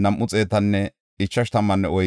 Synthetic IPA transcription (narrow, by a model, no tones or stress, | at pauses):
nɐmʔːʊt͡sʼe̞ːt̪ɐnːɛ | ɪt͡ʃːɐʃt̪ɐmːɐnːɛɔj